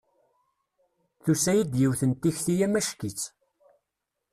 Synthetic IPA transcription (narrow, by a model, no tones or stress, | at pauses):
θusæjid̪jiwθənt̪ːiçθijæmæʃkit͡sː